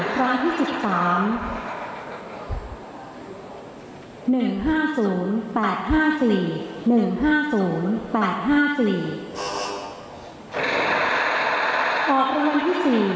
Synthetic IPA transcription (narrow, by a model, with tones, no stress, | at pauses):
kʰɾa˦˥ŋt̪ʰiː˥˩si˨˩p̚saː˩˦m | nɯ˨˩ŋɦaː˥˩suː˩˦npɛː˨˩t̪̚ɦaː˥˩siː˨˩nɯ˨˩ŋɦaː˥˩suː˩˦npɛː˨˩t̪̚ɦaː˥˩siː˨˩ | ʔɔː˨˩k̚ɾa˧a˧nt̪ʰiː˥˩siː˨˩